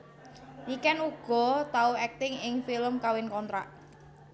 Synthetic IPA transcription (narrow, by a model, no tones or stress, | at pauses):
nikɛnuɡ̥ɔ̤t̪auɛk̚t̪ɪŋɪŋfiləmkawɪnkɔnt̪ɾaʔ